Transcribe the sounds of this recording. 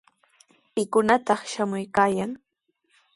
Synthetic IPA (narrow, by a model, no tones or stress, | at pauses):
pɪkʊnat̪ɑχʃamʊjkaːjaŋ